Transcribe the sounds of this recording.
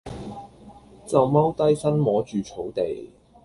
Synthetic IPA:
t͡sɐ˨wmɐ˥wt̪ɐ˥jsɐ˥nmɔː˨˥t͡ʃyː˨t͡sʰo˨˥wt̪e˨j

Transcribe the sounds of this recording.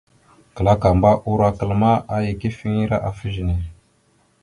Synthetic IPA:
kə˨la˦ka˨mba˦ʔu˦ɾa˦kə˨lma˦ʔa˦ji˨ki˦fi˦ŋi˦ɾa˦ʔa˨fə˦ʒi˨ne˨

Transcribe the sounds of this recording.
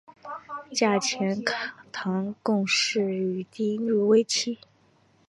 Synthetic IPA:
t͡ɕja˥˩t͡ɕʰjɛ˧˥nkʰt̪ʰɑ˧˥ŋkʊ˥˧ŋʂɻ̩˥˩y˨˩t̪i˥ny˥˩we˥ɪt͡ɕʰi˥

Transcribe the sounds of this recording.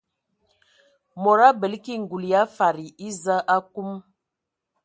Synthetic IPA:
mɔ˨ɾa˦bə˨lki˦˨ŋ̩˨ɡu˨lja˦fa˨ɾi˨i˦za˦ʔa˦ku˦m

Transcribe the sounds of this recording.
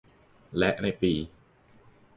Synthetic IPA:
lɛ˦˥ʔna˧jpiː˧

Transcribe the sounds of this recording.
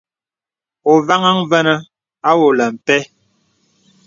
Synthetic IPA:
o˨va˦ŋa˦ŋvə˦nə˦ | a˦wo˨lə˨m̩˨pɛ˦

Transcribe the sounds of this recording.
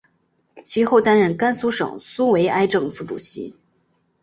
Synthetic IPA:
t͡ɕʰi˧˥xo˥˩ʊt̪a˥nɻə˥˩nka˥nsu˥ʂɤ̰˨˩ŋsu˥we˧˥ɪʔa˥ɪʈ͡ʂɤ˥˧ŋfu˥˩ʈ͡ʂṵ˨˩ɕḭ˧˥

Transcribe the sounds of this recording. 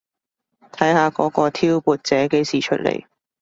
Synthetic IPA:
t̪ʰɐ˨˥jhaː˨˧kɔː˨˥kɔː˧t̪ʰiː˥wpuː˨˧t̚t͡sɛː˨˥ke˨˥jsiː˨t͡ʃʰɵ˥t̚lḛ˨˩j

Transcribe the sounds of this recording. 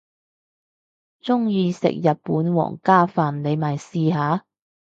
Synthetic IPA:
t͡sʊ˥ŋjiː˨˧sɪ̰˨k̚jɐ˨t̚puː˨˥nwɔ̰ː˨˩ŋkaː˥faː˨nle˨˧jmaː˨˩jsiː˧ɦaː˨˧

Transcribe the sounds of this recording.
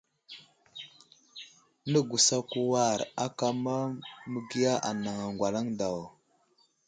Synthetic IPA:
nə˦ɡu˨sa˦ku˦wa˦˨ɾa˦ka˦ma˦mə˦ɡi˦ja˦ʔa˨na˨ŋa˨ŋɡʷa˨la˦ŋda˨w

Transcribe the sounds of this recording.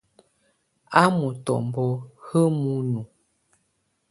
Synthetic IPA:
a˦mu˨tɔ̰˨m˨bɔ˦hə˦mu˦nu˨

